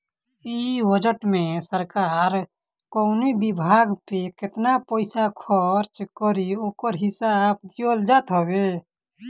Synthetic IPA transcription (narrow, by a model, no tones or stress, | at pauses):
ibəd͡ʒəʈmẽsəɾkaːɾ | konibibʱaːɡpekɪt̪napəɪsakʰɔɾt͡ʃkəɾioːkəɾɦɪsaːbd̪old͡ʒaːt̪ɦobe